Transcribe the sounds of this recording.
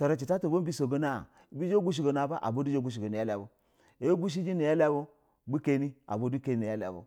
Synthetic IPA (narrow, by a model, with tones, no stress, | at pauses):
ta˨ɾa˨t͡ʃi˨ta˦to˨bo˦bi˦so˨ɡo˦na˦˨ | bi˦d͡ʒo˦ɡu˦ʃ̬i˨ɡo˨na˨ba˦ʔa̰˨bo˦du˦d͡ʒo˦ɡu˦ʃ̬i˨ɡo˨ni˨ja˦la˨bo˦ | e˦ɡu˦ʃ̬i˦d͡ʒi˦ni˨ja˦la˦bo˦ | bu˦ke˦ni˦a̰˨bo˦du˦ke˦ni˦ne˨ja˦la̰˨bo̰˨˦